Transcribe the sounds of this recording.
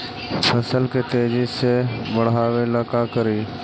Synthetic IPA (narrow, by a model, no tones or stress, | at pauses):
əsəlket̪eːd͡ʒɪsebəɽ̤aːʋelaːkaːkəɾiː